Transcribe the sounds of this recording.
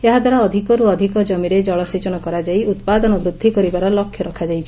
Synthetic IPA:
eɦad̪ʱwaɾaɔd̪ʱikɔɾuɔd̪ʱikɔd͡ʒɔmiɾed͡ʒɔɭɔsit͡ʃɔñɔkɔɾad͡ʒaiut̪̚pad̪ɔnɔbɾud̪ʱːikɔɾibaɾɔlɔkʰjɔɾɔkʰad͡ʒajt͡ʃʰi̥

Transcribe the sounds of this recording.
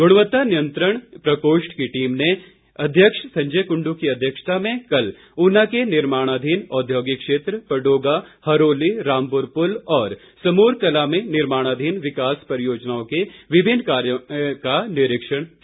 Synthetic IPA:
ɡʊɽ̃ʋət̪ːanɪjə̃nt̪ɾəɽ̃pɾɐkoːʃʈkiʈiːmne | ɐd̪ʱjəkʂsɐ̃ɲd͡ʒəjkʊ̃ɳɖukiɐd̪ʱjəkʃt̪amẽkɐl | ʊnakenɪɾmaːɽ̃aːd̪ʱiːnɔːd̪ʱjoːɡɪkʃeːt̪ɾəpəɖoːɡahɐɾoːliɾaːmpʊɾpʊlɔːɾ | sɐmuːɾkɐlamẽnɪɾmaːɽ̃aːd̪ʱiːnʋɪkaːspəɾəjoːd͡ʒnaːõkeʋɪbʱɪnːkaːɾjkanɪɾɪkʃəɽ̃

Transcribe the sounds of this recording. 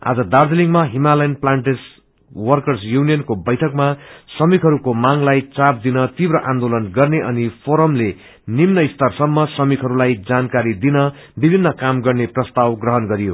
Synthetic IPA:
a̰d͡zʌd̪ard̪eliŋmaɦimalʌjnplaɳʈes | wʌrkʌrsjunijʌnkobʌjʈʰʌkmasʌmikʰɦʌɾukomaŋlajt͡sap̚d̪inʌt̪ibrʌʔãnd̪olʌnɡʌrneʔʌnipʰoɾʌmle | nimnʌist̪ʌrsʌmːʌsʌmikʰɦʌɾulajd͡zankaɾid̪inʌ | bibʱinːʌkamɡʌrneprʌst̪awɡrʌɦʌnɡʌɾijo

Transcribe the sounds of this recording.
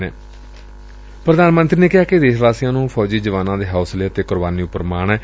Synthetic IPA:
neː | pɾəd̪aːnmə̃nt̪ɾiːneːkɪɦaːked̪eːʃʋaːsijãːnũːpʰɔːd͡ʒiːd͡ʒəʋaːnãːd̪eːɦaːsleːət̪eːkʊɾbaːniːʊpːəɾmaːɳɛː

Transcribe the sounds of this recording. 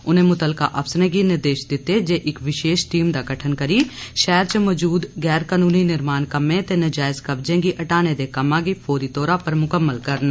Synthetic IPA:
ʊnẽmʊt̪əlka̰ʔɐpsnẽɡinɪɾd̪eːʃd̪ɪt̪ed͡ʒeʔɪkʋɪʃeːʃʈiːmd̪aɡɐʈʰənkɐɾiʃɛːɾt͡ʃəmɔːd͡ʒuːd̪ɡɛːɾkaːnuːninɪɾmaːnkɐmẽt̪enɐd͡ʒaːɪzkɐbd͡ʒẽɡiʔɐʈaːned̪ekɐmãɡipʰoːɾit̪ɔːɾapɐɾmʊkəmːəlkɐɾna

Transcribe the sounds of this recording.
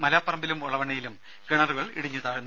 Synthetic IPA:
mɐlaːpːɐrɐmbilumuɭɐʋɐɳɐjilum | kiɳɐruɣɐɭḭɽiɲːut̪aːɻunː

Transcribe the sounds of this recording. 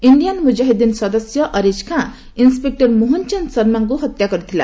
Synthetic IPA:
iɳɖijanmud͡ʒaɦed̪insʌd̪ʌsjʌʔʌɾed͡ʒkʰã | inspek̚ʈʌrmoɦɔnt͡ʃʌnsʌɾmaŋkoɦʌt̪jakʌɾit̪ʰila̰

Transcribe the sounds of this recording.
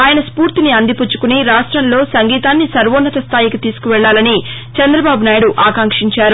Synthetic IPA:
aːjɐnɐspuːɾt̪iniɐnd̪iput͡ʃːu̥kuniɾaːʂʈɾɐnlo̞ːsɐŋɡiːt̪aːnːisɐɾʋoːnːɐt̪ɐst̪ʰaːjikut̪iːsu̥kuʋɛɭːaːlɐni | t͡ʃɐnd̪ɾɐbaːbunaːjɽuʔaːkaːŋkʂiɲt͡ʃaːɾu

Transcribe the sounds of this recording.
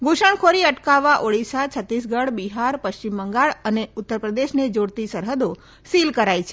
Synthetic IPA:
ɡoʃəɳkʰoɾiəʈkaʋːaʔoɽisat͡ʃʰət̪is̬ɡəɽbiɦaɾpəʃt͡ʃimːəŋɡaɭəneut̪ːəɾpɾəd̪eʃned͡ʒoɽt̪isəɾɦəd̪o | silkəɾajt͡ʃʰe

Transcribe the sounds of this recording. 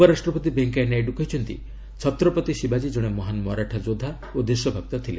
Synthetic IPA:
upɔɾasʈɾɔpɔt̪ibeŋkajnajɖukɔɦjt͡ʃʰɔnt̪ḭ | t͡ʃʰɔt̪ɾɔpɔt̪iʃibad͡ʒid͡ʒoɽ̃emɔɦanmɔɾaʈʰad͡ʒod̪ʱa | od̪iʃjɔbʱap̚t̪ɔt̪ʰile

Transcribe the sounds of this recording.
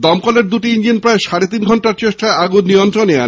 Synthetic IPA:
d̪ɔmkoleɾd̪uʈiind͡ʑinpɾaeʃaɾet̪̬inɡʱɔɳʈaɾt͡ɕeʃʈaaɡunnijont̪ɾonea

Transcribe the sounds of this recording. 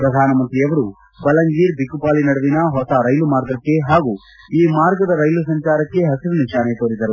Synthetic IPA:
pɾɐd̪ʱaːnɐmɐnt̪ɾijɐʋɐɾu | bɐlɐŋɡiːɾbʱikːupaːlinɐɽɐʋinɐɦɔsɐɾɐjlumaːɾɡɐkːe̞ɦaːɡuː | iːmaːɾɡɐd̪ɐɾɐjlusɐɲt͡ʃaːɾɐkːe̞ɦɐsiɾuniʃaːnet̪oːɾid̪ɐɾu

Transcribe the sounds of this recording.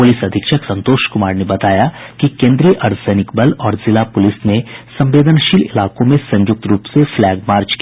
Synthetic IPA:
pʊlɪsɐd̪ʱɪkʃəksɐ̃nt̪oːʃkʊmaːɾnebɐt̪aːjakikẽːnd̪ɾijəʔɐɾt̪ʰsɛːnɪkbəlɔːɾzɪlapʊlɪsnesɐ̃mʋeːd̪ənʃiːlɪ̰laːkõmẽsɐ̃ɲjʊk̚t̪ɾuːpseflɛːɡ̚maːɾt͡ʃki

